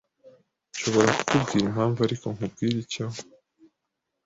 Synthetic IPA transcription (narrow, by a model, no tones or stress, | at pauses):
ʃo̞βo̞ɾaku̥kubɡiːɾim̥haːɱvuaɾiko̞ŋhub̚ɡiːɾicaɦo